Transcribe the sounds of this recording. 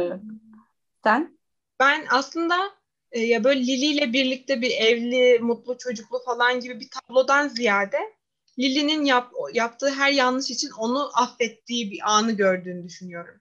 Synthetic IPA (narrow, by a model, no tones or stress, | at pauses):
sæn | b̥ænaslˠɯnd̪a | ɯːjabø̞ːlʲɛlʲilʲijlʲɛbiɾlʲic̚t̪ʰɛbiɾɛvlʲimut̪lˠut͡ʃʰo̞d͡ʒuklˠufalˠanɟibibit̪ʰablˠo̞d̪anzijaːɾd̪ɛ | lʲilʲininjapjap̚t̪ʰɯːɦæɾjanlːɯʃit͡ʃʰino̞nuʔafːɛt̪ʰːiːbiʔaːnɯɟø̞ɾd̪yːnyd̪yʃynyjo̞ɾum